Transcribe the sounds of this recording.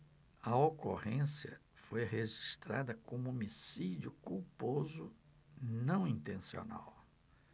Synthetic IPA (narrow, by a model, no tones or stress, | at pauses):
ɐoko̰hẽsjɐ̰ | fojɦeʒiʃt̪ɾa̰d̪ɐkõmʊomisid͡ʒiʊkuwpozʊ | nɐ̃w̃ĩnt̪ẽsio̰na̰w